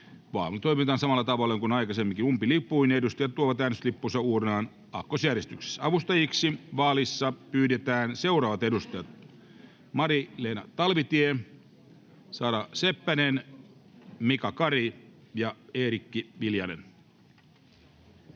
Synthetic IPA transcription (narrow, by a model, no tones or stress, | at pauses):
ʋɑ̰ːt̪oimit̪ɑːnsɑmɑlːɑt̪ɑʋɑlːeŋkunɑijkɑsemːiŋkinumpilipːˑuinedust̪ɑjɑt̪t̪uoʋɑt̪æːnyslipːusɑuːɾenɑːn | ɑkːosjærjest̪ykse̥sɑʋust̪ɑjiksiʋɑːlisːɑpyːdet̪æːnseuɾɑːʋɑt̪edust̪ɑjɑt̪̚ | mɑɾileːnɑ̰t̪ɑlʋit̪ie | sɑːdɑsepːænen | mikɑkɑri | jɑeːɾikːiʋiljɑnen